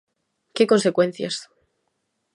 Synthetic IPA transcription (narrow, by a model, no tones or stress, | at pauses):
keko̞nse̞kwẽ̞n̟θja̰s